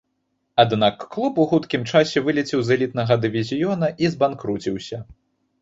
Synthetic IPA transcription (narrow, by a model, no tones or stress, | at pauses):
ad̪nakːlˠupuxut̪kʲimt͡ʂasʲɛvɨlʲit͡sʲiwzɐlʲit̪̚nɐɣɐd̪ɨvʲizʲijɔnɐʔizbankɾut͡sʲiwsʲɐ